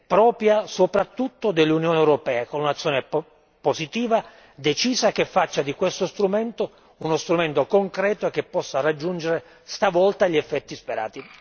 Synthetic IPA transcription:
pɾɔːpjasopɾat̪ːut̪ːod̪elːunjoːneewɾopɛːakonunat̪sːjoːne | posit̪iːva | d̪et͡ʃiːsakefːat͡ʃːad̪ikwest̪ost̪ɾument̪o | unost̪ɾument̪okoŋkɾɛːt̪oek̟ːepːɔsːarad͡ʒːund͡ʒeɾe | st̪avɔlt̪aʎiɛfːɛt̪ːispeɾa̰ːt̪i

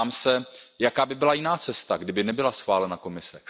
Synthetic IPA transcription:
amsɛ | jakaːbɪbɪlajɪnaːt͡sɛst̪aɡdɪbɪnɛbɪlasxvaːlɛnako̞mɪsɛ

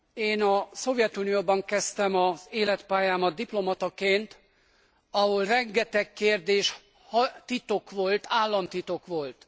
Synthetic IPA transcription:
eːnɒso̞vjɛt̪unijoːbɒŋkɛst̪ɛmɒzeːlɛt̪paːjaːmɒd̪̚d̪iplo̞mɒt̪ɒkeːnt̪ | ɒho̞lrɛŋɡɛt̪ɛkkeːrd̪eːʃ | hɒt̪it̪o̞kʋo̞lt̪aːlːɒnt̪it̪o̞kʋo̞lt̪

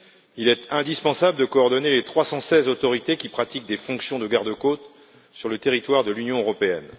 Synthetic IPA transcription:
ilɛt̪ɛ̃d̪ispɑ̃sabləd̪əkɔːʁd̪ɔnelet̪χwasɑ̃sɛzot̪ɔʁit̪ekʲipχat̪ik̚d̪efɔ̃ksjɔ̃d̪əɡaʁd̪əkot̪ | syʁlət̪eʁit̪waʁd̪əlynjɔ̃øʁɔpeɛ̰n

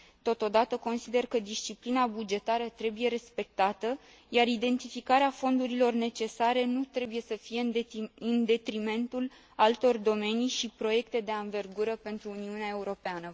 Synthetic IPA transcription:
t̪o̞t̪o̞d̪at̪əko̞nsid̪e̞rkəd̪ist͡ʃiplinabud͡ʒe̞t̪aɾət̪ɾe̞bujeɾe̞spe̞k̚t̪at̪ə | jaɾid̪e̞nt̪ifikaɾeafo̞nd̪uɾilo̞rne̞t͡ʃe̞saɾe̞nut̪ɾe̞buje̞səfijeɨnd̪e̞t̪ɾime̞nt̪ul | alt̪o̞rd̪o̞me̞niʃipɾo̞je̞kt̪e̞d̪e̞anve̞rɡuɾəpe̞nt̪ɾuːniuneaeuɾo̞peanə

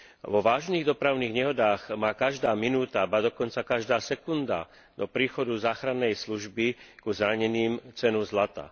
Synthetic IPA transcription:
ʋɔʋaːʒniːɣd̪ɔpɾaʊniːɣɲɛɦɔd̪aːɣmaːkaʒd̪aːminuːt̪abad̪ɔkɔnt͡sakaʒd̪aːsɛkund̪a̰ | d̪ɔpɾiːxɔd̪uzaːxɾanːɛjsluʒbikuzɾaɲɛniːmt͡sɛnuzlat̪a̰

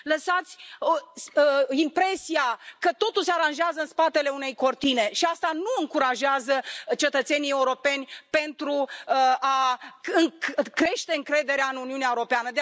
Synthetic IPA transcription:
ləsat̪sʲ | əimpɾe̞siakət̪o̞t̪ulseaɾanʒeazəɨnspat̪e̞le̞une̞jko̞rt̪ine̞ʃiast̪anuɨŋkuɾaʒeazət͡ʃe̞t̪ət̪se̞nije̞uɾo̞pe̞nʲpe̞nt̪ɾu | aɨŋkɾe̞ʃt̪e̞ɨŋkɾe̞d̪e̞ɾeaɨnuniuneaeuɾo̞peanəd̪e

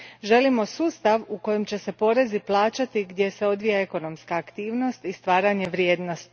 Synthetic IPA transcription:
ʒe̞limo̞suːst̪aʋuko̞jemt͡ɕe̞se̞po̞ːɾe̞ziplˠaːt͡ʃat̪iɡd̪je̞se̞o̞d̪ʋijae̞ko̞no̞mskaːkt̪iːʋno̞st̪ist̪ʋaːɾaɲe̞ʋɾje̞ːd̪no̞st̪i̥

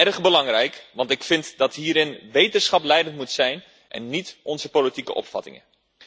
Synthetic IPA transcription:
ɛrχbəlɑŋrɛjkʋɑntɪkfɪntdɑtɦiːɾɪnʋejtənsχɑplɛjdəntmutsɛjn | ʔɛ̰nːitʔɔnzəpolitikə̰ʔɔ̰pfɑ̰tɪ̰ŋə̰

